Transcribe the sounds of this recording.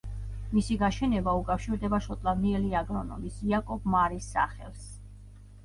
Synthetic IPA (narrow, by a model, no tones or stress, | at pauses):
misiɡaʃɛnɛbaukʼafʃiɾd̪ɛbaʃɔt̪ʼlavniɛliaɡɾɔnɔ̰misiakʼɔbmaɾisːa̰χɛ̰lˠs